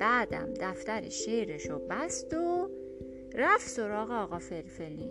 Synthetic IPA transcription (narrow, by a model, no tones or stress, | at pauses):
b̥æːd̪æ̰md̪æft̪æɾḛʃejɾeʃobæst̪o | ɾæfso̞ɾɒːɣeɒːɣɒːfelfeli